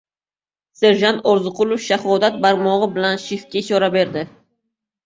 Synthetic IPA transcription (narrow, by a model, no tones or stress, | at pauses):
se̞ɾʒant̪ʰɒɾzʊqʰʊlˠofʃahɒd̪at̪̚baɾmɒʁɨbɪlanʃifkʲaɪʃɒɾabe̞ɾd̪ɪ